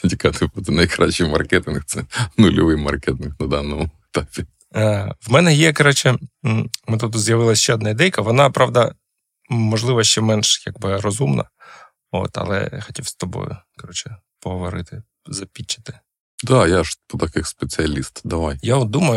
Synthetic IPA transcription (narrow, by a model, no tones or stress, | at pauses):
t̪ʲikat̪ɪbud̪ɛnɐjkɾat͡ʃːijmɐrkɛt̪ɨnxt̪sɛnʊlʲɔʋɪjmɐ̰rkɛt̪ɪnknɐd̪ɑnːɔmʊet̪apʲɪ | ʋmɛnɛjɛkɐɾɔt͡ʃɛ | mɪt̪ut̪̬ʊzʲjɐʋɪlˠɐsʲʃt͡ʃɛɔd̪nɑid̪ɛjkɐʋɔnɑpɾɑʋd̪ɐ | mɔʒlˠɪʋɐʃt͡ʃɛmɛnʃjaɡbɪrɔzumnʔɐ̰ | o̰t̪ɐ̰lˠɛ̰xɔtʲiwst̪ɔbo̰jʊ̰kɐɾɔt͡ʃɛ | pɔɦɔʋɔɾɪt̪ɪ | zɐpʲit͡ʃːɐ̥t̪ɪ̥ | d̪ajaʂpɔt̪ɐkɪxspet͡sʲɨɐlʲist̪d̪ɐʋajjaɔd̪umɐjʊ